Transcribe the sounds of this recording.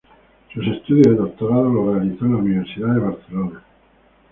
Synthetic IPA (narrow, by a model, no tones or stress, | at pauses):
susest̪uðjozðeðok̚t̪oɾaðolorealiθõnlauniβeɾsiðaðeβaɾθelona